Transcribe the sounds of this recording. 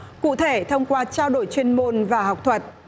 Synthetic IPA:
kṵ˧˨t̪ʰe˧˩t̪ʰə˧wŋ͡mkwaː˧t͡ɕaː˧wɗo˧˩jt͡ɕwe˧nmo˧nvaː˨˩ha˨˩wk͡p̚t̪ʰwə˨˩t̚

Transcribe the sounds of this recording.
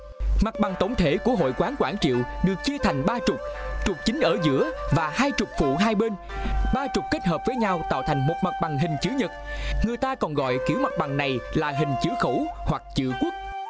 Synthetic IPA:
ma˨˩k̚ɓa˨˩ŋt̪o˧˩wŋ͡mt̪ʰe˧˩ku˧˩əɦo̰˧˨jkwaː˨˦nkwaː˧˩ŋt͡ɕḭ˧˨əwɗɨ˨˩ək̚t͡ɕi˧ət̪ʰa˨˩jŋ̟ɓaː˧t͡ɕʊ˨˩k͡p̚t͡ɕʊ˨˩k͡p̚t͡ɕï˨˦ŋ̟ʔəː˧˩zɨ̰˧˥əvaː˨˩haː˧jt͡ɕʊ˨˩k͡p̚fṵ˧˨ɦaː˧jɓe˧n | ɓaː˧t͡ɕʊ˨˩k͡p̚ke˦˥t̚həː˨˩p̚v̥əː˨˦jɲa˧wt̪a̰ː˧˨wt̪ʰa˨˩jŋ̟mo˨˩t̚ma˨˩t̚ɓa˨˩ŋɦï˨˩ŋ̟t͡ɕɨ˨˦ɲə˨˩t̚ŋɨ˨˩əjt̪aː˧kɔ˨˩nɣɔ̰˧˨jki˧˩əwma˨˩k̚ɓa˨˩ŋna˨˩jlaː˨˩ɦï˨˩ŋ̟t͡ɕɨ˨˦əxə˧˩whwa˨˩k̚t͡ɕɨ̰˧˨kwu˦˥ək̚

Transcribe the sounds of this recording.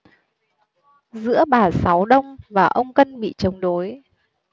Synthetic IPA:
zɨ̰˧˥əɓaː˨˩sa˨˦wɗə˧wŋ͡mvaː˨˩ʔə˧wŋ͡mkə˧nɓḭ˧˨t͡ɕə˨˦wŋ͡mɗo˨˦j

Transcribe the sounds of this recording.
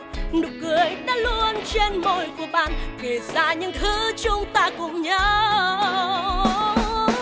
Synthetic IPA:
nɨ˨˩kɨ˨˩əjɗa̰ː˧˥lu˧ənt͡ɕe˧nmo˧˩jku˧˩əɓa̰ː˧˨nke˨˩zaː˧˩ɲɨ̰˧˥ŋt̪ʰɨ˨˦t͡ɕʊ˧˦ŋ͡mt̪aː˧kʊ̰˧˥ŋ͡mɲəː˨˦

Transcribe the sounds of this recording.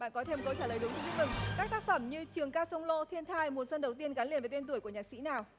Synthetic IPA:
ɓa̰ː˧˨nkɔ˨˦t̪ʰe˧m˨˩kə˨˦wt͡ɕaː˧˩ləː˨˩jɗʊ˨˦ŋ͡mt͡ɕu˧i˦˥ɨ˨˩ŋkaː˦˥k̚t̪aː˦˥k̚fə˧˩mɲɨ˧t͡ɕɨ˨˩əŋkaː˧sə˧wŋ͡mlo̰˧˨t̪ʰi˧ənt̪ʰaː˧jmu˨˩ənswə˧nɗə˨˩wt̪i˧ənɣaː˨˦li˧˨ənve˨˩t̪e˧nt̪̬u˧˩əku˧˩əɲaː˨˩sḭ˧˥naː˨˩w

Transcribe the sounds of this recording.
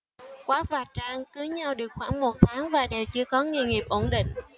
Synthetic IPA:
kwaː˨˦vaː˨˩t͡ɕaː˧ŋkɨ˨˦ɲa˧wɗɨ˨˩ək̚xwaː˧˩ŋmo˨˩t̚t̪ʰaː˨˦ŋvaː˨˩ɗe˨˩wt͡ɕɨ˧əkɔ˨˦ŋḭ˧əŋi˨˩əp̚ʔo˧˩nɗḭ˧˨ŋ̟

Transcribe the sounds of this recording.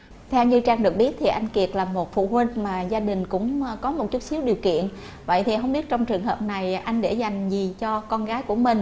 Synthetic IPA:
t̪ʰɛ˧wɲɨ˧t͡ɕaː˧ŋɗɨ˨˩ək̚ɓi˦˥ət̚t̪ʰi˨˩ʔa˧jŋ̟ki˨˩ət̚laː˨˩mo˨˩t̚fṵ˧˨hwi˧ŋ̟maː˨˩zaː˧ɗï˨˩ŋ̟kʊ̰˧˥ŋ͡mkɔ˨˦mo˨˩t̚t͡ɕʊ˦˥t̚si˨˦əwɗi˨˩əwkḭ˧˨ənʔ | və̰˧˨jt̪ʰi˨˩ɦə˧wŋ͡mɓi˦˥ət̚t͡ɕɔ˧wŋ͡mt͡ɕɨ˨˩əŋɦəː˨˩p̚na˨˩jʔa˧jŋ̟ɗe˧˩za˨˩jŋ̟zi˨˩t͡ɕɔ˧kɔ˧nɣaː˨˦jku˧˩əmï˨˩ŋ̟

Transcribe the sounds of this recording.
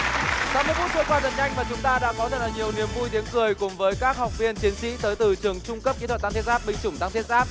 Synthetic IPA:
sa˨˧˦mɨ˧əkfu˦˥k̚zʰə˧kwaː˧zə̰˨˩n̚ɲa˧jŋmaː˨˩t͡ɕʊ˨˦ŋ͡mt̪aː˧ɗa̰ː˧˥kɔ˨˦t̪ʰə˧˩laː˨˩ɲi˨˩əwni˨˩əmvu˧jt̪̬i˨˦əŋkɨ˨˩əjkʊ˨˦ŋ͡mvəː˨˦jkaː˦˥k̚ha˨˩wk͡p̚vi˧ənt͡ɕi˨˦ənsḭ˧˥t̪əː˨˦jt̪ɨ˨˩t͡ɕɨ˨˩əŋt͡ɕʊ˧ŋ͡mkə˦˥p̚ki˨˦t̪ʰə˨˩t̪t̪ʰt̚zaː˦˥ɓï˧˩ŋ̟t͡ɕʊ˧˩ŋ͡mt̪a˧ŋt̪ʰt̚zaː˦˥p̚

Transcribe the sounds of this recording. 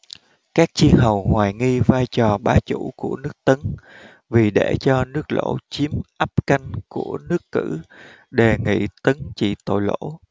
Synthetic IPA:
kaː˦˥k̚t͡ɕi˧ənɦə˨˩wŋwaː˨˩jŋi˧vaː˧jt͡ɕɔ˨˩ɓaː˨˦t͡ɕṵ˧˩˥ku˧˩ənɨ˦˥ək̚t̪ə˨˦n | vi˨˩ɗe˧˩t͡ɕɔ˧nɨ˦˥ək̚lo̰˧˥t͡ɕi˨˦əmʔa˦˥p̚ka˧jŋ̟ku˧˩ənɨ˦˥əkːɨ̰˧˩ | ɗe˨˩ŋḭ˧˨t̪ə˨˦nt͡ɕḭ˧˨t̪o̰˧˨jlo̰˧˥

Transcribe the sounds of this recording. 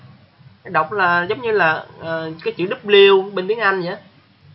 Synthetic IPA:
ɗə˨˩wk͡p̚laː˨˩zə˨˦wŋ͡mɲɨ˧laː˨˩ʔəː˨˩kaː˨˦jt͡ɕɨ̰˧˨˦ɗɨ˦˥p̚li˧əwɓe˧nt̪i˨˦ənʔa˧jŋ̟zaː˧˨˦

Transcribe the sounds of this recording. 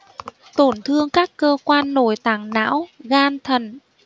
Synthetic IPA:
t̪o˧˩nt̪ʰɨ˧əŋkaː˦˥kːəː˧kwaː˧nːo˧˩jt̪aː˧˩ŋna̰ː˧˥wɣaː˧nt̪ʰə˨˩n

